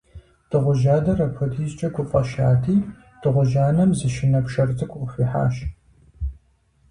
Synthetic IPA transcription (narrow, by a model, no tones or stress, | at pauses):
d̥ɨʁʷʊʒaːdɐrɐpʰɨtʰiːzt͡ʃʼɐkʷʰʊpʼɐʃa̰ːtʰiː | d̥ɨʁʷʊʒaːnɐmzɨʃɪnɐpʂɐrt͡sʰɨkʷʰʼʊʁʷʊfʷiːħa̰ːʃ